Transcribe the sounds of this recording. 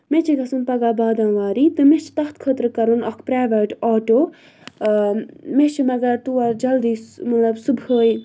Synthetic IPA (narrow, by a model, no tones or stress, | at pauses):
met͡ʃʰikɐsɨnpɐɡaːbaːd̪ãnʋaːɾit̪ɨmet͡ʃʰi̥t̪ɐxt̪kʰət̪ɾɨkɐɾunɐkʰpɾaːʋɐʈɔːʈoː | met͡ʃʰimɐɡɐɾt̪uɐd͡ʒɐld̪iːsmɐt̪lɐbsubʱəːj